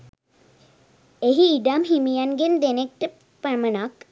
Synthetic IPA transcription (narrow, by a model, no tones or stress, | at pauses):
eɦiːɖamɦimijanɡend̪enek̚ʈə | pəmənak